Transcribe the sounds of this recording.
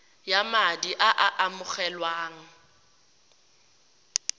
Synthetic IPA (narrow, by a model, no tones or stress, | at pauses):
jamadiʔaʔaʔamʊχɛlwaːŋ̩